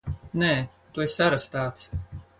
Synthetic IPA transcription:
nɛː | t̪uesaɾast̪aːt̪s

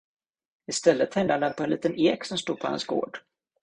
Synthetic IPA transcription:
ɪst̪ɛlːət̪hɛnd̪and̪ɛnpʰɔɛnlḭːt̪əneːksɔmst̪uːd̪̚pʰɔhɛ̰nsɡo̰ːɖ̥

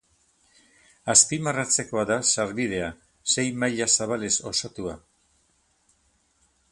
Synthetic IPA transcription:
aspimarat͡se̞ko̞aðasaɾβiðe̞a | se̞jmajʎasaβale̞so̞sat̪ua

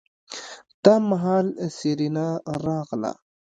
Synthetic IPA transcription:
d̪̥ɑmaɦɑːlsiɾinaɾɑɣla̰

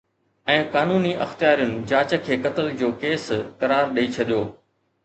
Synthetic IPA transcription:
ɛ̃ːkaːnuːniʔɐ̰xt̪ɪjaːɾijʊnɪ̆d͡ʑaːt͡ɕə̆kʰeːkɐt̪əld͡ʑoːkeːskɐɾaːɾɗiit͡ɕʰɐɗijoː

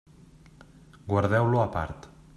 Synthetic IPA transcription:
ɡwaɾðɛwloapa̰ɾt̪

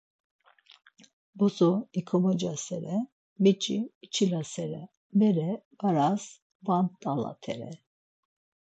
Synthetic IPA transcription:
bɔsɔikʰɔmɔd͡ʒasɛɾɛ | mit͡ʃʼiːt͡ʃʰilasɛɾɛ | mɛɾɛbaɾas | vant̪ʼala̰t̪ʰɛɾɛ̰

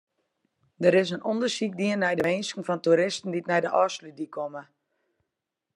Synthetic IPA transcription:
dəɾɪs̬ənondərsik̚diənːɛjdəʋeːnskŋ̩fɔntuɾɪstn̩ditnɛjdəʔɔːslydikʰomə

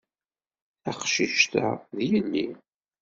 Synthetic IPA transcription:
æqʃiʃt̪æ̰ðjənːi

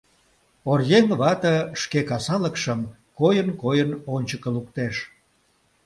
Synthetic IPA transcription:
orjeŋβɑt̪əʃkekɑsɑləkʃəm | kojənkojənonʲt͡ɕəkəluk̚t̪eʃ

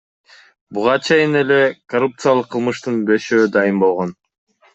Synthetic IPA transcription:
buʁɑt͡ʃʰe̞jine̞le̞kɐrup̚t̪sɨjalˠɯqʰːɯlˠmɯʃt̪ɯnbeʃøːd̪ɑjɯmbo̞lˠʁo̞n

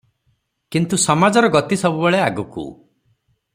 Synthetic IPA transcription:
kint̪usɔmad͡ʒɔɾɔɡɔt̪isɔbubeɭeaɡukṵ

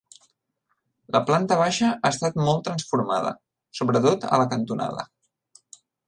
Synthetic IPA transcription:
ləplant̪əβ̞aʃəʔaːst̪at̪mɔlˠt̪ɾənsfuɾma̰ðə̰ | soβɾət̪ot̪ə̰ləkənt̪una̰ðə̰

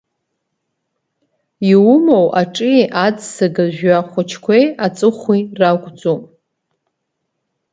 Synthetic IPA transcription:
iwumowʔaʈ͡ʂʼiʔad͡zsaɡaʒᶣaχʷʊt͡ʃʰkʷʰejat͡sʼɨχʷirakʷʼd͡zomʼ

